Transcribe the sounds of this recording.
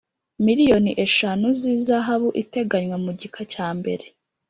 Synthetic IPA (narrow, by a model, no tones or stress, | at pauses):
miɾijo̞niʔe̞ʃanuziːzaɦaβuʔite̞ɡaɲwamuɟikʰacaːmbe̞̰ɾe̞